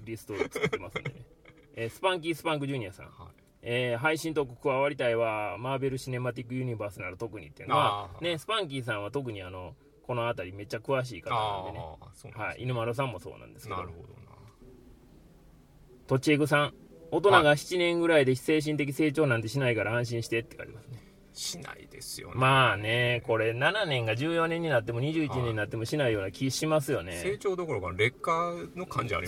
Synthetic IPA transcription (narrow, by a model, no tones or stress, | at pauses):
ɾʲisɨ̥t̪o̞̥emasɨ̰nd̪ene | sɨ̥pãŋk̬ʲisɨ̥pãŋk̬ɯʑɨːɲ̟iasã̰ŋ̃ | eːɦaiɕĩnt̪o̞ko̟̥kɯβaβaɾʲit̪aiβamaːbe̞ɾɯ̟ɕine̞mat̪̬ʲikːɯ̟jɯ̟ɲ̟ibaːsɨnaɾɯ̟t̪o̞kɯ̟ɲ̟ḭt̪ːeɯ̟noβane̞sɨ̥pãŋk̬ʲis̬ãɰ̃βat̪o̞k̬ɯ̟ɲ̟iano̞ | ko̞no̞at̪aɾʲime̞t͡ɕːakɯ̟βaɕ̬iːkat̪aa̰nenehaḭinɯmaɾos̬ãmːo̞so̞̰ːnã̰nd̪e̞sɨ̥ked̪o | t̪o̞t͡ɕieɡɯ̟s̬ãŋo̞t̪o̞naɡaçi̥t͡ɕinẽ̞ŋɡɯ̟ɾaid̪e̞se̞ːɕ̬ĩnt̪e̞k̬ʲise̞ːt͡ɕo̞ːnãnt̪eɕ̬inaikaɾaãɕ̬ĩɰ̃ɕi̥t̪e̞t̪ːeka̰ɾʲḭmasɨne̞ | ɕina̰ḭd̪ḛsɨ̥jo̰maːne̞ko̞ɾe̞nananẽ̞ŋɡad͡ʑɨːjo̞nẽɲ̟ːinat̪ːe̞mo̞ɲ̟iʑɨːit͡ɕiɲẽ̞ɲ̟inat̪ːemo̞ɕinaijo̞ːnakʲʰiɕimas̬ɨjo̞ne̞eːt͡ɕo̞ːd̪o̞ko̞ɾokanɾe̞kːano̞kã̰ɲ̟d͡ʑia̰ɾḭ